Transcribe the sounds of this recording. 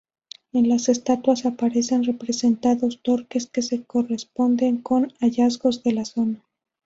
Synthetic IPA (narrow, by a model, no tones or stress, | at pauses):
e̞nlase̞st̪at̪wasapaɾe̞se̞nre̞pɾe̞se̞nt̪aðo̞st̪o̞ɾke̞ske̞se̞ko̞re̞spo̞nd̪e̞ŋko̞naʝazɣo̞zðe̞laso̞na